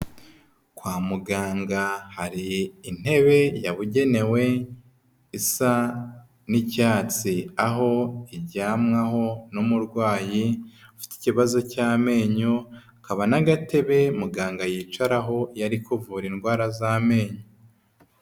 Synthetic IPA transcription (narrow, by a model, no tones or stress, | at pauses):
kwaːmuɡaːŋɡahaɾiːn̥he̞βe̞jaβuɟe̞ne̞we̞ | isa | nicaːt͡siaɦo̞iɟaːmŋaho̞numuɾɡwaːjiufi̥ti̥ciβazo̞caːme̞ːɲo | kaβanaɡate̞βe̞muɡaːŋɡajit͡ʃaɾaɦo̞jaɾikuvuːɾinɡwaːɾazaːme̞ːɲo